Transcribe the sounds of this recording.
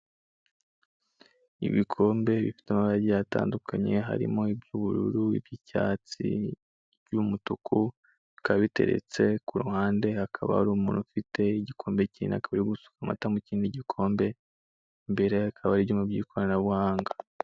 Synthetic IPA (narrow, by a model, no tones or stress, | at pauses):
ḭβikʰo̞ːmbe̞βifi̥tamaβaaɟijata̰ːndukʰaɲe̞ɦa̰ɾḭmo̞ibjuβuɾuɾuḭbjicaːt͡sḭ | ɾɟumutukʰu | kaβite̞̰ɾe̞̰t͡se̞kuɾuhaːnde̞akʰaβa̰haɾuːmuːnufitʰe̞iɟikʰo̞ːmbeciina̰kaβaɾiɡusu̥kama̰tamuciːndiɟikʰo̞ːmbe̞ | mbe̞ɾe̞akʰaβaɾijoːmubɟiːkʰo̞ɾanaβuhaːŋɡa